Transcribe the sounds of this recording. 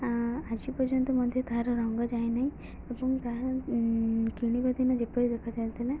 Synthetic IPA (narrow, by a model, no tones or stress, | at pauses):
ad͡ʒipɔɾd͡ʒɔnt̪ɔmɔd̪ʱjɔt̪aɦaɾɔɾɔŋɡɔd͡ʒajnaɦĩ | ebɔŋt̪aɦɾ | kiɽ̃ibad̪ʱinɔd͡ʒepɔɾid̪ekʰad͡ʒajt̪ʰile